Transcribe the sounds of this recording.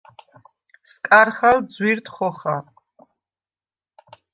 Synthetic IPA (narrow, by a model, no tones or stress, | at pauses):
skʼaɾχald̪zwiɾt̪ʰχɔχa